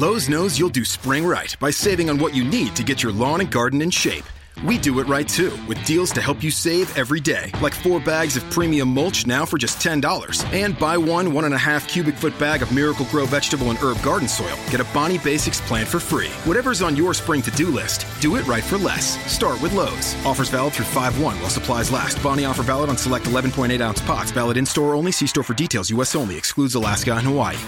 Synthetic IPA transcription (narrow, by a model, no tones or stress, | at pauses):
loʊznoʊzjulˠdɨspɹɪ̃ŋɹaɪt̚b̥aɪseɪvɪ̃ŋə̃nwʌt͡ʃɨnid̚tʰɨɡɛt͡ʃə˞lɔ̃nɨ̃nɡɑɹdⁿn̩ɨ̃nʃeɪp | widɨɪt̚ɹaɪtʰʉwɨðdilˠz̥tɨhɛlˠpjɨseɪvɛvɹideɪlaɪkfɔɹbæɡzʌv̥pʰɹ̥imiɨ̃mːʌlˠt͡ʃnaʊfə˞d͡ʒʌstʰɛ̃ndɔlˠə̰˞z̥ɨ̃nbaɪwʌ̃nwʌ̃ɾ̃ɨ̃nɨɦæfkʰj̥ʉbɨkfʊt̚b̥æɡʌvmɪɹɨkl̩ˠɡɹoʊvɛd͡ʒ̥tɨbl̩ˠə̃nɜ˞b̚ɡɑɹdⁿn̩sɔ̰ɪlˠɡ̥ɛɾɨbɑɾ̃ibeɪsɨkspʰl̥æ̃ntfə˞fɹḭwʌɾɛvə˞zn̩jə˞spɹɪ̃ŋtʰɨdɨlɪstd̥ɨɪʔ̚ɹaɪtfə˞lɛ̰sːtɑɹt̚wɨðloʊvz̥ɔfə˞zvælˠəθɹʉfaɪvwʌ̃nwaɪlˠsəpʰl̥aɪzlæ̰st̚b̥ɑɾ̃iɔfə˞vælˠəɾn̩səlɛk̚təlɛvn̩pʰɔ̃ɪ̃ɾteɪɾãʊ̃nspʰɑ̰tsvælˠəɾɨ̃nstɔɹõʊ̃nlisistɔɹfə˞ditʰeɪlˠzjʉɛsõʊ̃nlḭɨkskludzðəlæsɡ̥aɪ̃nəwaḭ